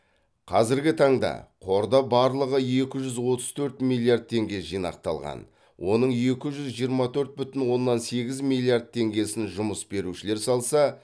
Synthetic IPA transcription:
qʰɑzɪɾɡʲɪt̪ʰɑɴd̪ɑ̰qʰo̞ɾd̪ɑbɑɾlˠəʁəje̞kʲɪʒʏzwo̞t̪əz̥t̪ʰɵɾt̪milˠːijard̪̚t̪ʰe̞ŋɡʲe̞ʒijnɑ̰q̚t̪ɑ̰lˠʁɑ̰n | wʔo̞nəɴje̞kʲɪʒʏzʒijəɾmɑt̪ʰɵɾt̪̚bʏt̪ɪnwo̞nːɑnse̞ɡʲɪzmilʲˠːijard̪̚t̪ʰe̞ŋɡʲe̞sɪnʒʊməsbe̞ɾuʃɪle̞ɾsɑlˠsɑ

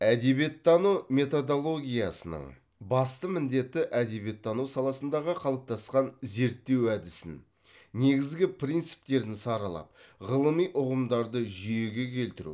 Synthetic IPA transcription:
æd̪e̞be̞t̪ʰːɑnume̞t̪o̞d̪o̞lˠo̞ɡʲijɑsənə̰ɴ | bɑst̪əmɪnd̪e̞t̪ːɪʔæd̪e̞bje̞t̪ʰːɑnusɑlˠɑsənd̪ɑʁəqʰɑlˠəp̚t̪ɑsqɑnze̞ɾt̪ːe̞wæd̪ɪsɪ̰n | ne̞ɡʲɪzɡʲɪpʰrijnt̪sɨ̥pt̪e̞ɾd̪ɪnsɑɾəlˠɑ̰p̚ʁəlˠəmijʔʊʁəmd̪ɑɾd̪əʒʏje̞ɡʲe̞kʲʰe̞lt̪ɪɾṵ

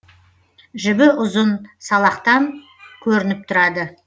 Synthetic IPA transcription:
ʒɪbɪʔʊzənsɑlˠɑqt̪ɑŋ | kʲʰɵɾɪnɪp̚t̪ʰʊɾɑd̪ə

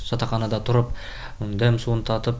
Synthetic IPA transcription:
sɑt̪ɑχɑnɑd̪ɑt̪ʰʊɾəp | d̪æmsuənt̪ʰɑt̪əp

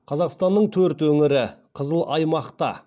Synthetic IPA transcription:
qʰɑzɑqst̪ɑnːəɴt̪ʰɵɾt̪wɵŋɪɾɪqʰəzəlˠʔɑjmɑqt̪ɑ̰

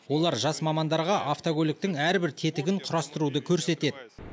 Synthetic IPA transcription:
wo̞lˠɑɾʒɑsmɑmɑnd̪ɑɾʁɑʔaft̪oɡʲɵlʲɪk̚t̪ɪŋæɾbɪɾt̪ʰe̞t̪ɪɡʲɪɴqʰʊɾɑst̪əɾud̪əkʲʰɵɾse̞t̪e̞d̪ɪ

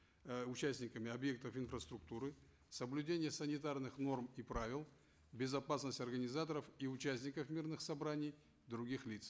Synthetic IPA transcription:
ʊt͡ɕæsʲtʲnʲɪkəmʲɪɐbje̞k̚t̪əfɪnfɾəst̪ɾʊk̚t̪uɾɨ | səblʲʉdʲenʲɪjəsənʲɪt̪arnɨxno̞rmipɾavʲɪlˠ | bʲɪzɐpasnəsʲtʲɐrɡənʲɪzat̪əɾəfiʊt͡ɕæsʲtʲnʲɪkəfmʲirnɨxsɐbɾanʲɪj | d̪ɾʊɡʲixlʲit̪s

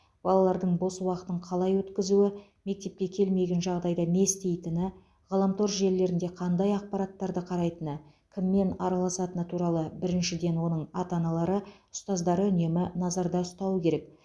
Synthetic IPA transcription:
b̥ɑlˠɑlˠɑɾd̪əɴbo̞səwɑqət̪əɴqʰɑlˠɑjwɵt̪kʲɪzuɪ | me̞k̚t̪e̞p̚kʲe̞kʲʰe̞lme̞ɡʲenʒɑʁd̪ɑjd̪ɑme̞st̪e̞jt̪ɪnɪ | ʁɑlˠəmt̪ʰoɾʒe̞ɾlːe̞ɾɪnd̪e̞qʰɑnd̪ɑjɑq̚pɑɾɑt̪ːɑɾd̪əqʰɑɾɑjt̪ənə | kʲʰɪmːe̞nɑɾɑlˠɑsɑt̪ənət̪ʰuɾɑlˠəbɪɾɪnʃɪd̪e̞nwo̞nəɴɑt̪ɑnɑlˠɑɾəʊst̪ɑzd̪ɑɾəʏne̞mɪnɑzɑɾd̪ɑʊst̪ɑwəkʲʰe̞ɾe̞k̚

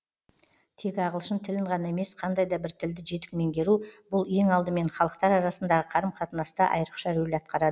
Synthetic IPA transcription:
t̪ʰe̞kʲɑʁəlˠʃənt̪ʰɪlɪɴʁɑnɑe̞me̞sqʰɑnd̪ɑjd̪ɑbɪɾt̪ʰɪld̪ɪʒe̞t̪ɪk̚me̞ŋɡʲe̞ɾubʊlˠje̞ŋɑlˠd̪əme̞ɴχɑlˠəqt̪ɑɾɑɾɑsənd̪ɑʁəqʰɑɾəmqʰɑt̪ənɑst̪ɑʔɑ̰jəɾəqʃɑɾelɑt̪̚qɑɾɑd̪ə

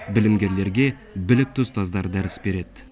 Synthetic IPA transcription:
bɪlɪmɡʲe̞ɾle̞ɾɡʲe̞ | bɪlɪk̚t̪ʰʊzt̪ʰɑzd̪ɑɾd̪æɾɪsbe̞ɾe̞d̪̥

